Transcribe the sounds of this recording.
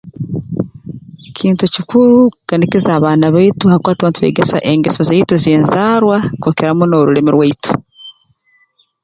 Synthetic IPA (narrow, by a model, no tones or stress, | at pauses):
ecʰiːntucikuɾukanikizaːβaːnaβaituhakwaːtaβaːntuβe̞̰ɡesa̰ʔe̞ŋɡesozeitozeːnzaːɾwakokeɾamunoɾule̞miɾwaitʰo̥